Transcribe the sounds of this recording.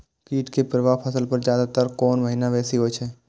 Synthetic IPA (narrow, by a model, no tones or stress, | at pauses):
kiːʈkepɾəʋaːɦpʰəsəlpɐɾd͡ʒjaːd̪at̪əɾkɔːnʋəɦinaʋɛːsiɦoːjt͡ʃʰeː